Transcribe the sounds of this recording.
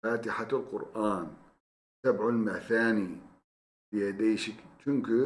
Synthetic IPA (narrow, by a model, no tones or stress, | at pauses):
aːt̪ɪħalqʊ̰ɾʔaːn | sabʕʊlmaθaːni | bɪjad̪eːʃɪkt͡ʃʊŋk